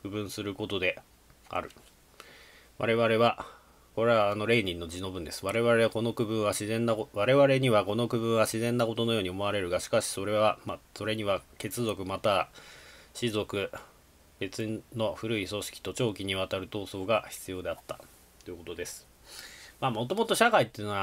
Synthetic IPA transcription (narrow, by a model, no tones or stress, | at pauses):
kɯ̟bɯ̟̃ɰ̃sɨɾɯ̟ko̞t̪o̞d̪e̞ | a̰ɾɯ̟ | βa̰ɾe̞βaɾe̞βa | ko̞ɾe̞βaːno̞ɾe̞ːɲʲĩnːo̞d͡ʑino̞bɯ̟̃nd̪e̞sɨ̥βaɾe̞βaɾe̞ako̞no̞kɯ̟bɯ̃ɰ̃βaɕizẽ̞nːakoβaɾe̞βaɾe̞ɲ̟iβako̞no̞kɯ̟bɯ̟̃ɰ̃βaɕizẽ̞nːako̞t̪o̞nojo̞ːɲ̟iomo̞aɾe̞ɾɯ̟ɡaɕi̥kaɕi̥so̞ɾe̞βamso̞ɾe̞ɲ̟iβake̞t͡sɨzo̞kɯ̟mat̪a | ɕizo̞kɯ̟ | b̥e̞t͡sɨno̞ɸɯ̟ɾɯ̟iso̞ɕi̥kʲi̥t̪o̞t͡ɕo̞ːkʲiɲ̟iβ̞at̪aɾɯ̟t̪o̞ːso̞ːɡaçi̥t͡sɨjo̞ːd̪e̞at̪ːḁ | t̪ːojɯ̟kot̪o̞d̪e̞sɨ̥ | maːmo̞t̪o̞mo̞t̪o̞ɕakait̪ːeiɯnoβa